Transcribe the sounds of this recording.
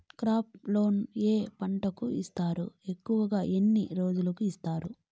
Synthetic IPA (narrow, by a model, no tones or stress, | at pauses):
kɾaːplo̞ːneːpɐɳʈɐkuist̪aːɾṵe̞kːuʋɐɡaːʔenːiɾo̞ːd͡ʒulɐkuist̪aːɾu